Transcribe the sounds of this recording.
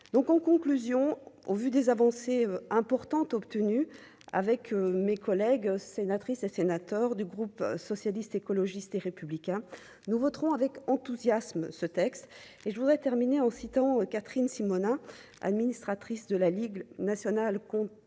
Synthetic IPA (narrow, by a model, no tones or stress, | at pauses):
d̪ɔ̃kɑ̃kɔ̃klyzjɔ̃ovyd̪ezavɑ̃seøɛ̃pɔʁt̪ɑ̃t̪ɔpt̪əny | a̰vɛkømekɔlɛɡsenat̪χisesenat̪œʁd̪yɡʁupsɔsjalist̪ekɔlɔʒist̪eʁepyblikʲɛ̃ | nuvɔt̪χɔ̃avɛkɑ̃t̪uzjasmsət̪ɛkst̪ | eʒəvud̪ʁɛt̪ɛʁmineɑ̃sit̪ɑ̃økat̪χinsimɔnɛ̃ | a̰d̪minist̪χat̪χisd̪əlaliɡnasjɔnalkɔ̃